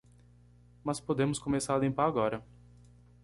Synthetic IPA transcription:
maspud̪emuskɔmesaːd̪impaɡɔːɾa

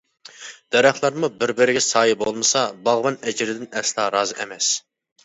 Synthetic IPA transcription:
d̪̥ɛɾæχlˠɑɾmubɪɾbɪɾɪɡʲɛsɑːjibolˠmɨsɑbɑʁbɑnɛd͡ʒɪɾɪd̪ɪnɛslˠɑːɾɑːzɨʔɛmɛs

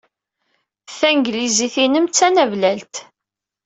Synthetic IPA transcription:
θæŋɡliziθinəmt͡sːænævlælt̪

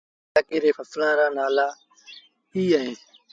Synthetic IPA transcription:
aːkiːɾeːfəslãːɾaːnaːlaː | iːaːɦeː

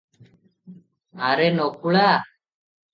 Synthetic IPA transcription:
aɾenokːuɭa

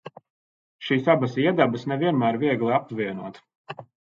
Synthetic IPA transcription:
ʃiːsabɐsiɛd̪abɐsnɛviɛnmæːɾviɛɡlˠiapviɛnuɔt̪

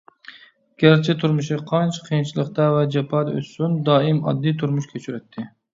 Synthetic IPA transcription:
ɡ̥ʲæɾt͡ʃʰɪt̪ʰuɾmʊʃiqʰɑnt͡ʃʰqʰijnt͡ʃʰilˠəqt̪ɑvɛd͡ʒɛpʰɑd̪ɛø̰ssund̪ɑːɪmɑ̰d̪ːijt̪ʰuɾmuʃkʲʰøt͡ʃʰyɾɛt̪ʰːɪ

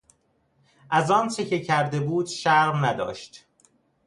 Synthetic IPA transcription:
ʔæzɒːnt͡ʃʰe̞ce̞cʰæɾd̪e̞buːd̪ʃæʁɾnæd̪ɒ̰ːʃt̪

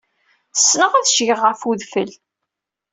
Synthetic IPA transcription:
θə̥sːnəʁæðʃʝəʁːəfuðfəl

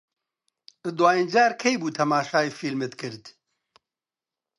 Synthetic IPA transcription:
ɨd̪waːjind͡ʒaːɾkʰɛjbuːt̪ʰɐmaːʃaːifiːlmet̪kʰɨɾd̪

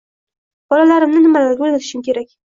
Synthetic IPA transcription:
b̥ɒlalaɾɪmnɪnɪmalaɾɡʲaolʲat̪ɪ̥ʃɪmkʲʰe̞ɾakʲ

